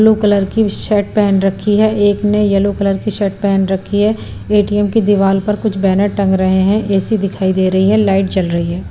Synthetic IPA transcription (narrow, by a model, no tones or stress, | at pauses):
lokɐləɾkiʃɛːʈ̚pɛɦnɾɐkʰːiɦɛʔeːknejɐlokɐləɾkiʃɛːʈ̚pɛɦɛnɾɐkʰːiɦɛ | eːʈiɛmkid̪ɪʋaːlpɐɾkʊt͡ʃʰbɛːnəʈːɐ̃ŋɡɾɐɦeɦɛ̃ʔɛːsid̪ɪkʰaːid̪eːɾɐɦiɦɛlaːɪʈ̚d͡ʒɐlɾɐɦiɦɛː